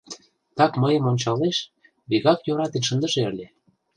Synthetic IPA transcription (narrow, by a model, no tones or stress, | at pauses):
t̪ɑkməjə̆monʲt͡ɕɑleʃ | βiɣɑkjøɾɑt̪enʃə̆nd̪ə̆ʒeəlʲe